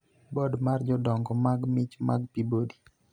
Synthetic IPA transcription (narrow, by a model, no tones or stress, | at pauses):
bɔdmard͡ʒɔdɔŋɡɔmaɡmɪt͡ʃma̰ɡpibodi̥